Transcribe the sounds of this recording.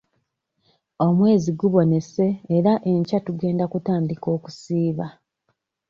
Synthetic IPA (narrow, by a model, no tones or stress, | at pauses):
o̞mwe̞ːziɡuβo̞ne̞se̞ːɾaʔeɲcatuɡe̞ːndakutaːndiko̞ːku̥siːβa